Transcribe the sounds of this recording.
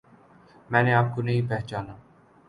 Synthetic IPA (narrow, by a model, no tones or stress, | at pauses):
mɛ̃ːneaːp̚konɐɦĩpɛɦt͡ʃaːnaː